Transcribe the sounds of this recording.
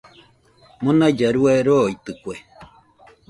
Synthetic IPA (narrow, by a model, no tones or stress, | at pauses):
monad͡ʒaɾuaɾoit̪ɨkʷe